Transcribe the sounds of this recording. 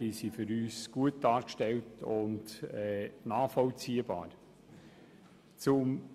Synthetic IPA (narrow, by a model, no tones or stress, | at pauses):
isifʏɾyːsɡ̥uət̚d̥ɑːɾkʃtɛltʊntɛnaːfɔlt͡siːəba̰ːɾ | t͡sʊm